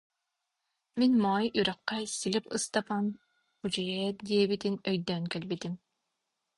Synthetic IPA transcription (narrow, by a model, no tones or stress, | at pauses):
minmɑːjyɾɑqːɛsilipɯst̪ɑpan | χud͡ʒijɛd̪iɛbit̪inœjd̪œŋkɛlbit̪im